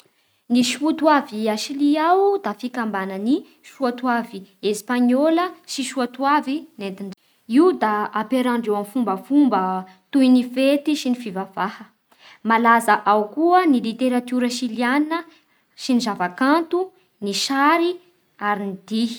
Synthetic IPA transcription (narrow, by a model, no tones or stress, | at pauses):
niʃfut̪waviaʃiliawd̪afikambanəni | ʃuat̪uaviespaɲoləsiʃuat̪uavinent̪in | iud̪aapeɾaɳɖ͡ʐewamfumbəfumbə | t̪uinifet̪iʃinifivav̥ahə | malazaʔawkuənilit̪eɾat̪uɾəʃilianə | ʃinizavakant̪u | niʃaɾi | aɾinid̪̥i̥